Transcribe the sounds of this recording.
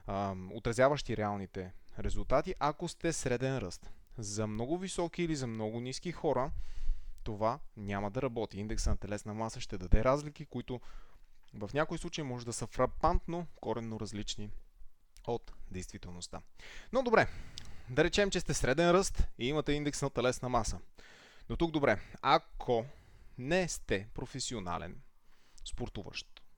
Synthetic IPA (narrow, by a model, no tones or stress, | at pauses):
o̰t̪ɾɐzjavəʃt̪iɾɛalˠnit̪ɛɾɛzʊlˠt̪at̪iʔɐkost̪ɛsɾɛd̪ɛnɾɤst̪zɐmnɔɡʊvisɔkiːlizɐmnɔɡʊniskixɔɾə | t̪ovanʲaməd̪ɐɾɐbɔt̪iind̪ɛksənɐt̪ɛlɛsnɐmasəʃt̪ɛd̪ɐd̪ɛɾazlik̟ikoit̪ʊ | vɐfnʲakoislˠut͡ʃəjmɔʒɛd̪ɐsəfɾɐpant̪nokɔɾɛnːoɾɐzlit͡ʃni | ot̪d̪ɛjst̪vit̪ɛlˠnost̪a̰nod̪obɾɛd̪ɐɾɛt͡ʃɛmt͡ʃɛst̪ɛsɾɛd̪ɛnɾɤst̪iimɐt̪ɛind̪ɛksnɐt̪ɛlɛsnɐmasə | not̪uɡ̚d̪obɾɛakʰo | nɛst̪ɛpɾofɛsiona̰lʔɛ̰nspoɾt̪uvə̰ʃt̪